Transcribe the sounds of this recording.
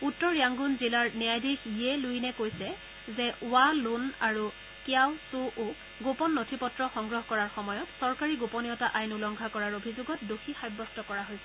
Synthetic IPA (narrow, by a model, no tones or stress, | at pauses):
utːɔɹjaŋɡunzilaɹniajdʱixijɛlujnɛkojsɛ | zɛʔʊalunaɹu | kjawsuʔu | ɡopɔnːotʰipɔtɹɔxɔŋɡɹɔɦkɔɹaɹxɔmɔjɔtsɔɹkaɹiɡopɔnijɔtaʔajnulɔŋɡʱakɔɹaɹobʱizʊɡɔt̚doxʰixajbːɔstɔkɔɹaɦojsɛ̥